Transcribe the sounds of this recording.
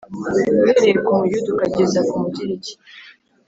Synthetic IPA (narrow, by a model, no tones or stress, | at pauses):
weɾekoujudukaɟezakumuɟiɾiɟi̥